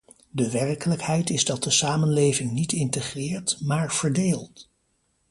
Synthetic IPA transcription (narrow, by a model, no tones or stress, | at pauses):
dəʋɛrkələkhɛjtɪzdɑt̚dəsaːmənlejvɪŋnitɪntəχrɪːɹtmaːɹv̥əɹdeːlˠt